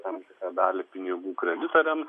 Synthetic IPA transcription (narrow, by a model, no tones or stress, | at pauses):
t̪ɐmt̪ʲɪkɑːd̪ɑːlʲepʲɪnʲɪɡuːkɾʲɛd̪ʲɪt̪oɾʲɛm